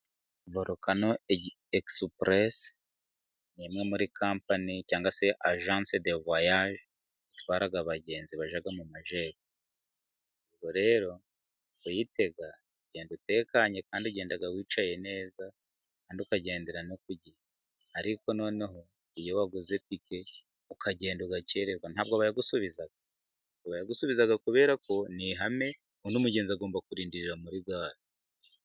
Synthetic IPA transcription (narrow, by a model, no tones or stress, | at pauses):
voɾokano | ekspɾes | nimŋe̞muɾikʰaːmpanicaːŋɡase̞ʔaʒaːnsedevwajaʒ | itwaːɾaɡaβaɟe̞ːnziβaʒaɡamumaʒeːβo | βɡo̞ɾe̞ːɾo̞ | ujite̞ɡa | uɟe̞ːndute̞ːkaɲekaːndiuɟe̞ːndaɡawiːt͡ʃaje̞ne̞ːza | kaːndiukaɟe̞ːndeɾanokuɟi | aɾiko̞no̞ːneɦo̞ | ijo̞waɡuze̞pike̞ | ukʰaɟe̞ːnduɡace̞ɾeɡwanaːbɡaβajaɡusuβizaɡa | oβajaɡusuβizaɡakuβe̞ːɾako̞niɦame̞ | unumuɟe̞ːnzaɡo̞ːmbakuɾiːndiɾiɾamuɾiɡaːɾo